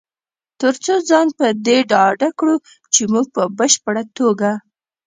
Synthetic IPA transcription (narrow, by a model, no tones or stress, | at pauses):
t̪əɾt͡sod͡zɑnpəd̪eɖɑɖakɽu | t͡ʃemuɡ̚pəbəʃpəɽat̪oɡa